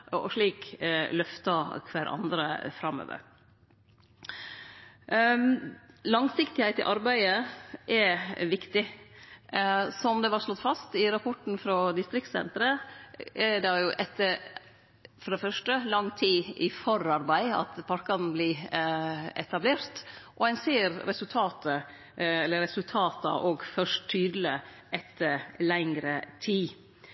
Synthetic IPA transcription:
ɔ̰ʂɭiːklœft̪ɑkʰʋæːɾʔɑ̰nd̪ɾə̰fɾɑmø̰ːʋə̰ɾ | lɑŋsɪkt̪ɪhæɪt̪ɪ̰ʔɑɾbæɪəʔɛʋɪkt̪ɪ | sɔmd̪ɛʋɑʂlɔt̪ːfɑst̪ɪɾɑpʰɔʈn̩fɾɔd̪ɪst̪ɾɪkt̪sɛ̰nt̪ɾə | ɛɖɑjʊʔɛt̪ːəɾ | fɔɾɛfœʂʈəlɑŋːt̪ʰiːʔɪfɔɾɑɾbæɪɑ̰t̪pʰɑɾkɑnbli | ɛ̰t̪ɑbleːɾt̪ʔɔænseːɾɾɛsʉlt̪ʰɑːt̪ə | ɛlːəɾɛsʉlt̪ʰɑːt̪ɑ̰ʔoːɡfœʂʈ̪ʰːyːd̪l̩ə | ʔɛt̪ʰːəɾlɛŋɾət̪ʰiː

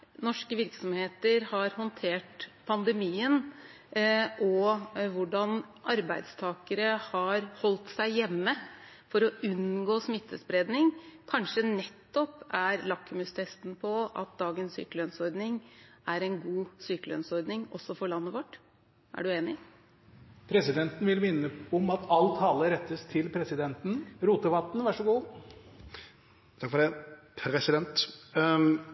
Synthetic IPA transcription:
nɔʂkəʋɪɾksɔmheːt̪əɾhɑɾhɔnt̪ʰeːʈpʰɑnd̪əmiːən | ʔɔʋʊɖɑnʔɑɾbæɪd̪st̪ʰɑːkəɾəhɑɾhɔlt̪sæɪjɛmːə | fɔɾɔʉnɡoːsmɪt̪ʰːəspɾeːd̪nɪŋkʰɑnʂənɛt̪ːɔpæɾlɑkːʉmʉst̪ʰɛst̪n̩pʰɔɑ̰t̪̚d̪ɑːɡənssy̰ːkəlœnsɔɾd̪nɪŋʔæɾɛnɡuːsyːkəlœ̰nsɔɾd̪nɪŋɔsːɔfɔɭɑnːəʋɔʈː | ʔæ̰ɖʉeːnɪ | pʰɾɛsɪd̪ɛnt̪n̩ʋɪlmɪnːəɔmɑt̪ɑlt̪ʰɑːləɾɛt̪ːəst̪ʰɪlpʰɾɛsɪd̪ɛnt̪n̩ɾuːt̪əʋɑt̪n̩ʋæʂɔɡuː | t̪ʰɑkfɔɖɛpʰɾɛsɪd̪ɛnt̪

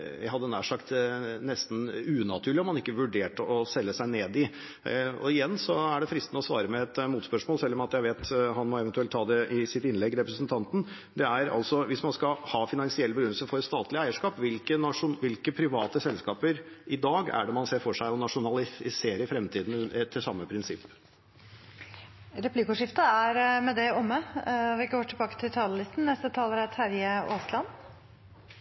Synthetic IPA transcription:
jæɪɦɑd̪ːənæ̰ːʂɑkt̪nɛst̪n̩ʉːnɑt̪ʰʉːɭɪɔmhɑnɪkːəʋʉɖeːʈəɔsɛlːəsæɪneːd̪ɪ | ɔ̰ɪjɛnːsɔæɖɛfɾɪst̪nəɔsʋɑːɾəmɛɛt̪muːt̪spœʂmoːlsɛlːɔmɑt̪jæɪʋeːt̪ɦɑnmɔɛʋɛnt̪ʉɛlt̪ʰːɑːd̪ɛʔɪsɪt̪ɪnlɛɡːɾɛpɾəsnt̪ʰɑnt̪n̩ | d̪ɛæɾɑ̰lsɔʋɪsmɑnskɑhɑːfɪnɑŋsɪɛlːbəɡʉnəsəfɔɾɛst̪ɑːt̪lɪæɪəʂkɑːpʋɪlkənɑʂʊnʋɪlkəpʰɾɪʋɑ̰ːt̪əsɛlskɑːpəɾʔɪd̪ɑːɡæ̰ɖɛmɑnseːfɔʂæɪɔnɑʂʊnɑlɪɪseːɾəfɾɛmt̪ʰiːd̪n̩t̪ʰɪlsɑmːəpʰɾɪnsɪpː | ɾɛpʰlikʊʂɪft̪əæɾmɛd̪ɛɔmːəʋɪɪkːəhoʈ̪ʰɪlbɑːkə̥t̪ʰɪlt̪ʰɑːləlɪst̪n̩nːɛst̪ət̪ʰɑːləɾæt̪hæɾjəoːslɑn

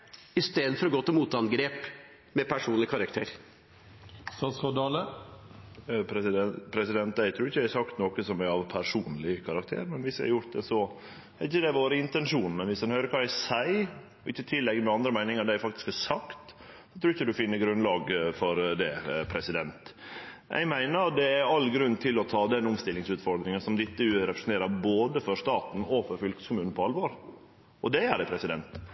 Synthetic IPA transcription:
ɪst̪eːd̪fɔɾɔɡoːt̪ɔmuːt̪ʰɑnɡɾeːp | mɛpʰæʂuːnlɪkʰɑɾɑk̚t̪ʰeːɾ | sɑskɑd̪ɑːlə | pʰɾɛsɪd̪ɛnt̪̚d̪æɪt̪ʰɾuːɾɪçəd̪æhæsɑkt̪nɔkəsɔmæɑʋpʰæɾʂuːnlɪkʰɑɾɑkt̪ʰḛːɾmɛnʋɪsæ̰hɑjʊɾt̪̚d̪ɛsɔ | æɾɪçːəd̪ɛʋoːɾəɪnt̪ɛnʂuːnmɛnʋɪshɑnhøːɾəɾkʰɑːæsæɪ | ɔɪçːət̪ʰɪlːɛɡmɛɑnd̪ɾəmæɪnɪŋɑɾd̪æɪfɑkt̪ɪ̥skæsɑkt̪ | sɔt̪ʰɾuːɾɪçːəd̪ʉfɪnːəɡɾʉnlɑːɡfɔɾd̪ɛpʰɾɛsɪd̪ɛnt̪ʔɛ̰ɪɡmæɪnəɾt̪̚d̪ɛæɾɑlːɡɾʉnːt̪ʰɪlɔt̪ʰɑːd̪ɛnʊmst̪ɪlːɪŋsʉːt̪fɔɾd̪ɾɪŋɑsɔmd̪ɪt̪ːəʉːæɾɛpɾəsn̩t̪eːɾɑɾboːd̪əfɔɾʂt̪ɑːt̪n̩ɔfɔɾfʏlkə̥skʰʊmʉːnn̩pʰɔɑlʋoːɾ | ɔd̪ɛæɖæpʰɾɛsɪd̪ɛnt̪

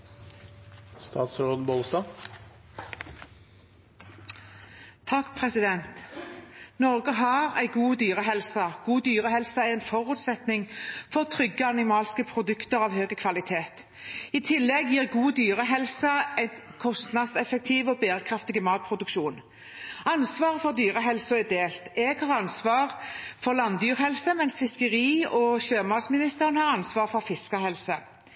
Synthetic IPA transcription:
st̪ɑ̰ːt̪sɾoːd̪n̩boːlsd̪ɑː | t̪ʰɑkːpʰʁɛsɪd̪ɛnt̪ | nɔʁɡəɦɑʁæ̰ɪɡuːd̪yːʁəɦɛlsɑɡ̥uːd̪yːʁəhɛlsɑæɪɛnfɔʁʉːt̪sɛt̪nɪŋfɔʁt̪ʰʁʏɡəɑnɪmɑːlskəpʰʁʊd̪ʉkt̪əʁɑːʋhøːɡəkʰʋɑlɪt̪ʰeːt̪ | ɪt̪ʰɪlːɛɡjiːʁɡuːd̪yːɾəɦɛlsɑɛnkʰɔst̪nɑd̪sɛfɛk̚t̪ʰiːʋɔbeːɾəkʰɾɑft̪ɪɡəmɑːt̪̚pʰɾʊd̪ʉkʃuːn | ɑnsʋɑːʁəfɔʁd̪yːʁəɦɛlsɔɛd̪eːlt̪ɛɡ̥hɑːʁɑnsʋɑːʁfɔʁlɑnd̪yːʁhɛlsəmɛnsfɪskəʁiːɔɕøːmɑːd̪smɪnɪst̪əʁənhɑːʁɑnsʋɑːʁfɔʁfɪskəhɛlsə

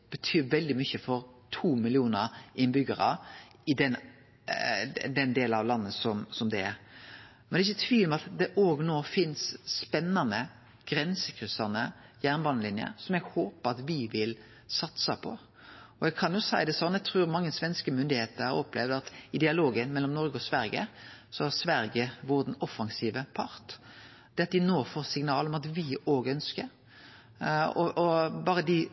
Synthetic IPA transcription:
b̥ət̪ʰyːʋɛld̪ɪmʏçəfɔɾt̪ʰuːmɪlɪuːnəɾɪnbʏɡəɾɑ | ɪd̪ɛn | d̪ɛnd̪eːlɑʋlɑnːəsɔmsɔmd̪ɛæɾ | mɛnɛɪçːət̪ʰʋiːʋlmɛɑt̪d̪ɛʔoːɡnoːfɪnsːpɛnːɑnə | ɡ̥ɾɛnsəkʰɾʏsɑnəjæːʁnbɑːnəlɪnjə̰ɾsɔmɛɡhoːpəɾɑt̪ʋɪʋɪl | sɑt̪sɑpʰɔ | ɔɛɡkʰɑnjʊsæɪd̪ɛsɔnːɛɡ̚t̪ʰɾʉːɾmɑŋːəsʋɛnskəmʏnd̪ɪheːt̪əɾhɑɾɔplɛʋd̪ɑt̪ɪd̪ɪɑloːɡənmɛlːɔmnɔɾɡəɔsʋæɾɡə̰sɔæsʋæɾɡəʋʊɾd̪n̩ɔfːɑŋsiːʋəpʰɑɾt̪ | d̪̥ɛːɑt̪̚d̪ɪnoːfoːɾsɪŋnɑːlɔmɑt̪ʋɪoːɡəœnskəɾ | ɔɔbɑːɾəd̪ɪ

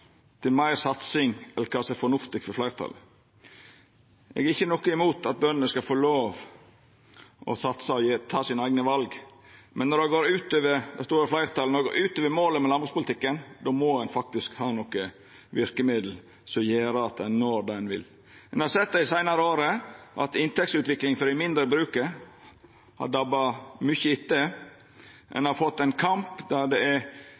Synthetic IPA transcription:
t̪ʰɪlmæɪɾsɑt̪sɪŋɛlːəɾkʰɑːsɛfɔɳʊft̪ɪɡfɔɾflæɪɾt̪ʰɑ̰l | ʔɛ̰ɡɛɾɪçːənɔkːəɪmuːt̪ʰɑt̪̚bœnənəskɑfoːloːʋ | ʔɔ̰sɑt̪sɑjet̪ʰɑːsɪnæɪɡnəʋɑlɡ | mɛnːɔɾdɛɡoːɾʉːt̪øːʋəɾd̪æst̪oːɾɪflæɪɾt̪ɑlnɔɾdɛɡo̰ːʔʉːt̪øːʋəɾmoːləmɛlɑnbɾʊspʊlt̪ɪkːənd̪oːmɔɛnfɑk̚t̪ɪskhɑːnɔkə | ʋɪɾkəmɪd̪l̩ | sɔjeːɾəɑt̪ɛnnːoːɾd̪ɛnʋɪ̰l | ɛnhɑɾsɛt̪̚ːd̪æɪsæɪnɑɾəoːɾəʔɑ̰t̪ɪnt̪ʰɛksʉːt̪ʋɪklɪŋfɔɾɪmɪnd̪ɾəbɾʉːkəɾ | hɑ̰ɖɑbɑmʏçəɪt̪ːə | ʔɛ̰nɑɾfɔt̪ːɛɪnkʰɑmpd̪ɑɾd̪ɛɛ

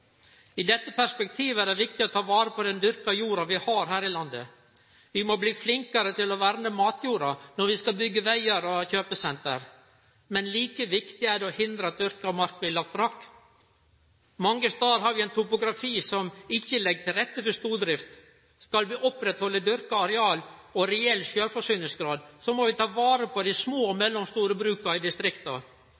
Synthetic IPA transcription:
ɪd̪ɛt̪ːəpʰæʂpɛk̚t̪ʰiːʋəæɖɛʋɪk̚t̪ɪɔt̪ʰɑːʋɑːɾəpʰɔd̪ɛnd̪ʏɾkɑjuːɾɑʋɪhɑːɾɦæːɾɪlɑnd̪ə̰ | ʋɪmɔbliːflɪŋkɑɾət̪ʰɪlɔʋæɾnəmɑːt̪juːɾɑnɔɾʋɪskɑlbʏɡːəʋæɪəɾɔçøːpəsɛnt̪ə̰ɾ | mɛnliːkəʋɪkt̪ɪæɖɛɔhɪnd̪ɾəɑt̪̚d̪ʏɾkɑmɑɾkʋɪlɑkt̪bɾɑkː | mɑŋːəst̪ɑːɾɦɑɾʋɪæɪnt̪ʰʊpʊɡɾɑfiːsɔmɪçːəlɛɡːt̪ʰɪlɾɛt̪ːət̪ɪst̪uːɖ̪ɾɪft̪ | skɑlʋɪːʔɔpːɾɛt̪hɔlːəd̪ʏɾkɑɑɾɛɑːlɔɾɛɛlːʃøːɾfɔʂyːnəlsɡɾɑːd̪sɔmɔʋɪt̪ʰɑːʋɑːɾəpʰɔd̪ɪsmoːmɛlːɔmst̪uːɾəbɾʉːkɑɪd̪ɪst̪ɾɪkt̪ɑ

